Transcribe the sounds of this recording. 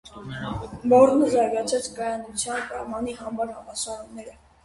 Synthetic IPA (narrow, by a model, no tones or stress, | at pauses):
bɔɾnəzɑɾɡɑt͡sʰɛt͡sʰkɑjɑnut͡sʰjɑnpɾɑmɑniɦɑmɑɾhɑmɑsɑɾumnɛɾə